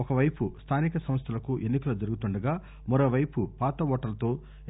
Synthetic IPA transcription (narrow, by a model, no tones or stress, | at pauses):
ɔkɐʋɐjpust̪ʰaːnikɐsɐms̬t̪ʰɐlɐkuʔe̞nːikɐlud͡ʒɐɾuɡut̪uɳɖɐɡaː | mɐɾoːʋɐjpupaːt̪ɐʋɔːʈɐlɐt̪o̞ː